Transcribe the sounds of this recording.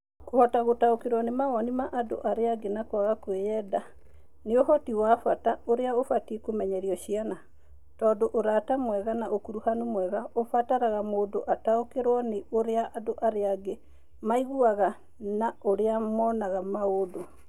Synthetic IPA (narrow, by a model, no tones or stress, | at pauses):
kohɔtaɣotaokeɾwanemaɣɔnimaʔado̰ʔaɾeaɡenakwaɣakwejɛda | neohɔtiwafataoɾeaofatiekomɛɲɛɾiɔʃiana | tɔːndoʔoɾatamwɛɣanaʔokuɾuhanumwɛɣaofataɾaɣamoːdoʔataokeɾwɔneoɾeaʔadoʔaɾeaɡe | maiɣuaɣa | naoɾeamɔnaɣamaodo